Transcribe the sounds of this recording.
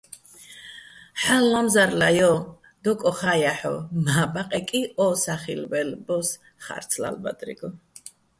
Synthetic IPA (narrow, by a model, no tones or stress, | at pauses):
ħalːamzaɾlajɔ | d̪̥ɔkʼɔχajaħɔ̰maːbaqʼɛkʼiɔsaχḭlvɛlbɔs | χa̰ɾt̪sʰla̰lba̰d̪ʼɾḭɡɔ